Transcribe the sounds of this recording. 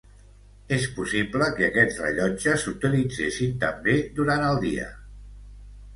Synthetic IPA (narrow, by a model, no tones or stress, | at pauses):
espusipləkəːkɛt͡srə̰ʎɔd͡ʒəsut̪ilid͡zesint̪əmbed̪uɾanəlˠd̪ḭə̰